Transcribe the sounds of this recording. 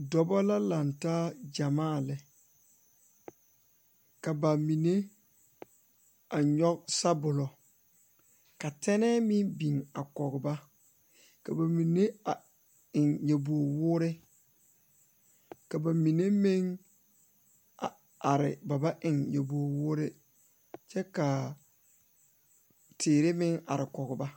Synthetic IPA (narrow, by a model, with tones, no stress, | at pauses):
dɔ˨bɔ˦la˦la˨ntaː˦d͡ʒa˨maː˦˨lɪ˨ | ka˨ba˨mi˨ne˦ | a˨ɲɔ˦k̚sa˦bʊ˨lɔ˨ | ka˨tɛ˦nɛː˦mɪ˦bi˨ŋa˨kɔ˨ɡʊ˨ba˦ | ka˨ba˨mi˨ne˦a˨ | ɪ˨ŋja˨bu˨o˨wʊː˦ɾɪ˦ | ka˨ba˨mi˨ne˦me˦ŋ | a˨ | a˨ɾɪ˨ba˨ba˦ʔɪ˨ŋja˨bu˨o˨wʊː˦ɾɪ˦ | t͡ʃɛ˦ka˨ | tʰeː˨ɾɪ˦mɪ˦ŋa̰˨ɾɪ˨kɔ˨ɡʊ˨ba˦